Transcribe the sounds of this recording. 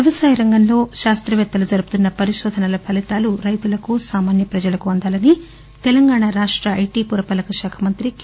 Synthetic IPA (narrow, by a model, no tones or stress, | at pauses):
ɐʋɐsaːjɐɾɐŋɡɐnlo̞ːʃaːst̪ɾɐʋɛt̪ːɐlud͡ʒɐɾubu̥t̪unːɐpɐɾiʃɔːd̪ʱɐnɐlɐpʰɐlit̪aːluɾɐjt̪ulɐkusaːmaːnjɐpɾɐd͡ʒɐlɐkuɐnd̪aːlɐni | t̪ɛlɐŋɡaːɳaɾaːʂʈɾɐʔɐjʈiːpuɾɐpɐlɐkɐʃaːkʰɐmɐnt̪ɾik